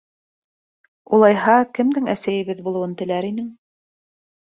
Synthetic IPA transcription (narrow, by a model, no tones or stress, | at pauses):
ulˠɑjɦɑkɘ̆md̪ɘŋæsæjɘ̆βɘðbulˠɤ̆wɤnt̪ɘ̆læɾinɘŋ